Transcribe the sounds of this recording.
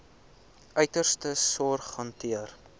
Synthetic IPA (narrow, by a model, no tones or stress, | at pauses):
ʔœɥtərstəsɔrχɐntʰiər